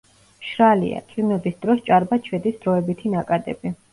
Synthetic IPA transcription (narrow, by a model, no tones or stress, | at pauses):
ʃɾalḭa̰t̪ʼinɛbisd̪ɾɔst͡ʃʼaɾbat͡ʃʰwɛd̪isd̪ɾɔɛbit̪ʰinakʼad̪ɛ̰bi